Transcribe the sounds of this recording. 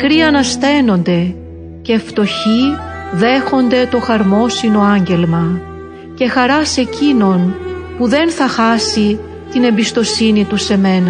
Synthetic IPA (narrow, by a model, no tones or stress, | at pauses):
kɾiɐnɐsθe̞no̞nd̪e̞ | ce̞ft̪o̞çi | ðe̞xo̞nd̪e̞t̪o̞xɐɾmo̞sino̞ɐɲɟe̞lmɐ | ce̞xɐɾɐse̞cino̞npuðe̞nθɐxɐsi | t̪ine̞mbist̪o̞sinit̪use̞me̞nɐ